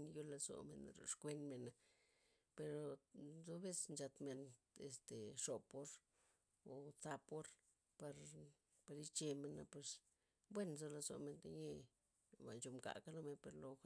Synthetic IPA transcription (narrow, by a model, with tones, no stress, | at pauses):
njo˦la˧zo̰˨mḛ˨nɾo̰˨ʂkʷe˦nme˨na˨ | pe˧ɾo˧zo˦βe˦snt͡ʃa˧t̪me˨n | ḛ˨st̪e˨ʂo˨po˦ɾ | o˨t͡sa˧po˦ɾ | pa˧ɾ | pa˧ɾi˦t͡ʃe˧me˨na˧pwe˧s | bwe˦nzo˧la˧zo̰˨me˧nt̪e˧ɲe˦ | ba̰˨nt͡ʃo˧mka̰˨ka˦lo˦me˧npe˨ɾlo˧